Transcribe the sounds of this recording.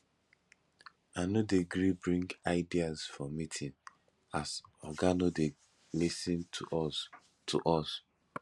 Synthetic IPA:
anodeɡɹibɹĩŋɡaɪdiazfɹɔ̃mitʰĩn | asɔɡanode | lisĩnt | tʰṵʔɔs

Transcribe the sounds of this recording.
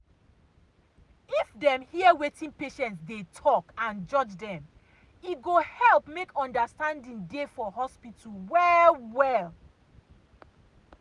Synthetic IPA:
ifdɛ̃mhiəwetĩnpeʃɛ̃ntsdetʰɔkãnd͡ʒɔd͡ʒdɛ̃m | iɡohɛlˠpmekʰɔ̃ndəstãndĩŋdefɔɦɔspitulwɛwɛl

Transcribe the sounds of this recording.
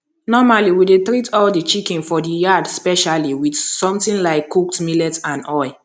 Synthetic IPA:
nɔmaliwidetɹitɔldit͡ʃikĩnfɔdijadspɛʃaliwidsɔ̃mtĩnlaɪkːuk̚tmilɛtãnɔɪ

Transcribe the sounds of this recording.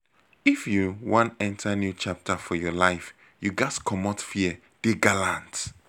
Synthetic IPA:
ifjuwãnɛ̃ntʰənjut͡ʃap̚tʰəfɔjɔlaɪf | juɡaskʰɔmɔtfiə | d̥eɡalãnt

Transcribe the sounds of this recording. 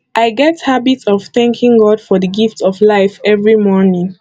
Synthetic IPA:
ʔaɪɡɛthabitsɔv̥θæ̃ŋkʰĩŋɡɔdfɔðəɡiftɔvlaɪfɛvɹimɔɹnĩŋ

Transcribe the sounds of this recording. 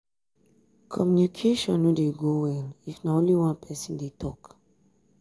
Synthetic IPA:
kʰɔmjunikʰeʃɔ̃nudeɡowɛlifnaõnliwãnpʰɛsĩndetʰɔk

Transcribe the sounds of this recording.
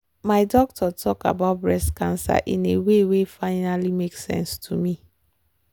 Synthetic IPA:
maɪdɔk̚tʰɔtʰɔka̰baʊt̚bɹɛstkãnsa̰ʔĩnewewefaɪnalimeksɛ̰̃nstʰumi

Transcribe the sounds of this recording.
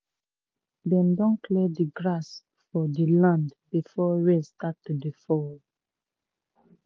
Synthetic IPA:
dɛ̃ndɔ̃nkʰlɛdiɡɹas | fɔdilãndbifɔɹɛ̃stak̚tudifɔ

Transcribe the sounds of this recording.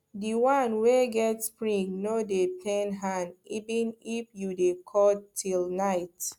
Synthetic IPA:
diwãnweɡɛtspɹĩŋnodepʰɛ̃nɦãnivĩnifjudekʰɔtʰːilnaɪt

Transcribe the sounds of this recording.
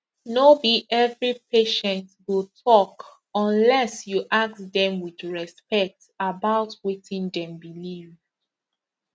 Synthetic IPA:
nobiʔɛvɹipeʃɛ̃ntwilˠtʰɔk | ɔ̃nlɛsjuʔak̚sdɛ̃mwidɹɛspɛk̚t | abaʊtwitĩndɛ̃mbiliv

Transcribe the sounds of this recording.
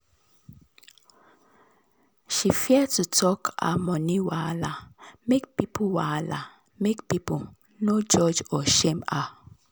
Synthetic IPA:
ʃifjɛtutʰɔkʰa̰mɔniwalamek̚pipuwala̰ | mekpipu | nod͡ʒɔd͡ʒɔʃema

